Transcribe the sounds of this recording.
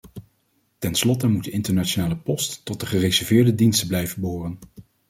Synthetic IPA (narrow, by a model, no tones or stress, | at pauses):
tɛnslɔtəmuddəɪntəɹnaonaːləpɔstːɔt̚dəχərezɛɹvɪːɹdədinstəblɛjvənbəɦoːrən